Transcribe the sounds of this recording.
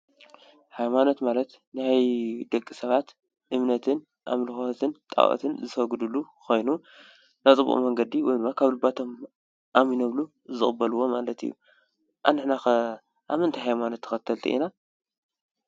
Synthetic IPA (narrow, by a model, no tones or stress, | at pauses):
hajmanot̪malɐt̪ | nɨhajd̪ɐkʼːisɐβat̪ | ʔɨmnɐt̪ʰɨn | ʔa̰mlɨxot̪ʰɨnt̪ʼa̰wʔɐ̰t̪ʰɨnzɨt̪ʰɐɡɨd̪ulːukʰo̞jnu | nat͡sʼɨbṵʔṵmɐŋɡɐd̪iwɔjd̪ɨmːakʰaβlɨbat̪ʰo̞m | ʔaminɐβlu | zɨχʼɨbːɐluwo̞malɐt̪ɨ̰jːṵ | ʔa̰nːɨħna | ʔa̰mɨɨnt̪ʰajɦajmanot̪ʰːɨ̥xɐt̪ʰːɐlt̪ʰḭʔḭna